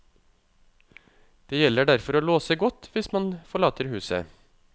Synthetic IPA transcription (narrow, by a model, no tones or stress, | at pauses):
d̪̥eːjɛləɖæɾfɔɾoːloːsəɡɔt̪ʋɪsmɑnfɔɭɑːt̪əɾhʉːsə̰